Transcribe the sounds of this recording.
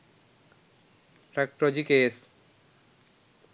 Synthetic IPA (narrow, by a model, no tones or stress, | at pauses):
pɾɛk̚ʈɔd͡ʑikes